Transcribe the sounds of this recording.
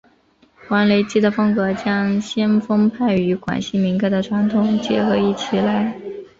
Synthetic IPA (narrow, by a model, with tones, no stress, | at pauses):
kwa˧˥nle˧˥ɪt͡ɕi˥d̪ə˨fɤ˥ŋkɤ˧˥t͡ɕjɑ˥ŋɕjɛ˥nfɤ˥ŋpʰa˥˩ɪy˧˥kwa̰˨˩nɕi˥mi˧˥nka˥ɪd̪ə˨ʈ͡ʂʰwa˧˥nt̪ʰʊ˨˩˦ŋt͡ɕjɛ˧˥xɤ˧˥i˥˩t͡ɕʰi˧˩la˥˩ɪ